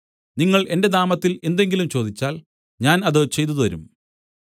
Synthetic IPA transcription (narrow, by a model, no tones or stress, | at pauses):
niŋːɐɭʔe̞nde̞d̪aːmɐt̪ːile̞nd̪e̞ŋɡilumt͡ɕo̞ːd̪it͡ɕːaːl | ɲaːnɐðɨt͡ɕe̞jt̪ːɐðʋɐɾṵm